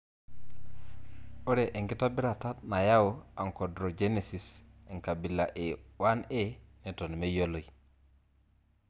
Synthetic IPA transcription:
o˦ɾe˨ʔe˨ŋɡi˦ta˦bi˦ɾa˨ta˦tna˨ja˦o˨a˨ŋko˨dɾo˨d͡ʒe˦ne˨si˨se˨ŋka˨bi˨la̰˨ʔe˨wa˦ne˦ne˨to˨n˨me˦jo˦lo˨i˨

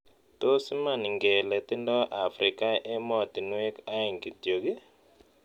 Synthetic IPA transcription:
t̪o˦sma˨ni˨ŋɡɛ˨lɛ˨t̪ɪ˦ndɔ˦ʔa˨fɾɪ˨ka˦ʔɛ˦mɔ˦˨t̪i˨n˦e˦ka˦ɛ˨ŋɡi˨tjo˨ɡɪ˦

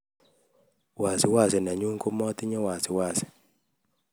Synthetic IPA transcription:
wa˨sɪ˨wa˦˨sɛ˨na˨ɲu˦ŋko˦mɔ˦t̪ɪ˦ɲɛ˦wa˨sɪ˨wa˨sɛ̥˨

